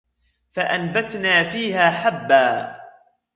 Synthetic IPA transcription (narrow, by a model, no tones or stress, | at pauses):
faʔanbat̪naːfiːɦaːħabːaː